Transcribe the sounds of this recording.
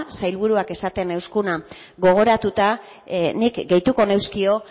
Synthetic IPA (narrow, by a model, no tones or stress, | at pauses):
sajlβuɾuake̞sat̪ene̞wskuna | ɣo̞ɣ̞o̞ɾat̪ut̪a | nikɡe̞jt̪uko̞ne̞wskio̞